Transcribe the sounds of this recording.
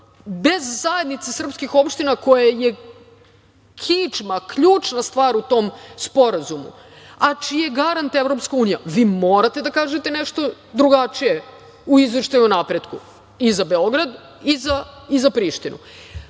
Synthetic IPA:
be̞zːaje̞d̪nit̪sesr̩pskixo̞pʃt̪inako̞jaje̞ | kʰit͡ʃmakʎuːt͡ʃnast̪ʋaːɾut̪o̞ːmspo̞ɾazumṵ | at͡ʃijeɡaɾant̪evɾo̞pskauːnijaʋiːmo̞ːɾat̪e̞d̪akaːʒet̪e̞neʃt̪o̞ | d̪ɾuɡat͡ʃije | uizʋeʃt̪ajunapɾed̪ku | izabeo̞ɡɾad̪ | izaizapɾiʃt̪inʔṵ

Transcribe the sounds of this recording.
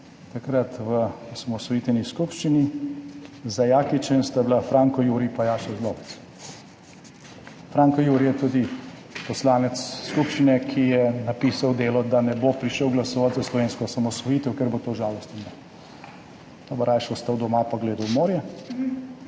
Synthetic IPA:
t̪akɾat̪ʋəɔsamɔsʋɔjit̪ɛniskupʃt͡ʃini | zajaːkit͡ʃɛnst̪ablafɾaːŋkɔjuːɾipajaːʃɛzd̪ɔpɛt͡s | fɾaːŋkɔjuːɾijɛt̪ud̪i | pɔslaːnɛt̪ssːkupʃt͡ʃinɛkʰijɛnapiːsawd̪eːlɔd̪anɛbopɾiʃəwɡlasɔːʋat̪zaslɔʋeːnskɔsamɔsʋɔjit̪ɛwkɛɾbot̪oːʒaːlɔst̪ima | d̪̥ɔbɐɾaːjʃɔst̪awd̪ɔmapaɡleːd̪ɐwmoːɾjɛ

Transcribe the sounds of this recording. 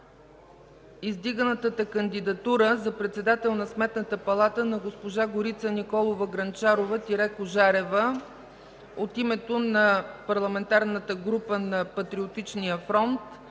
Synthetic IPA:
izd̪iɡənət̪ət̪əkənd̪id̪ɐt̪uɾəzɐpɾɛt̪sɛd̪at̪ɛlˠnɐsmɛt̪nət̪əpɐlˠat̪ənɐɡospoʒaɡoɾit̪sənikɔlˠovəɡɾɐnt͡ʃaɾovət̪iɾɛkoʒaɾɛvə | ot̪imɛt̪onɐpɐɾlˠɐmɛnt̪aɾnət̪əɡɾupənɐpɐt̪ɾiot̪it͡ʃnijəfɾɔnt̪

